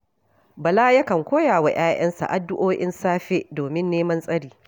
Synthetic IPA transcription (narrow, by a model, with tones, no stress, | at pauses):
bɐ˨laː˦jɐ˦kɐ˨ŋkʷoː˦jaː˨wa˨j̰aː˦j̰ɐ̰˦nsa̰˨ʔa˨dːʊ˦ʔoː˦ʔɪ̰˦nsaː˦ɸe˦doː˨mɪ˦nːeː˦mɐ˦nsʼɐ˦ɽiː˨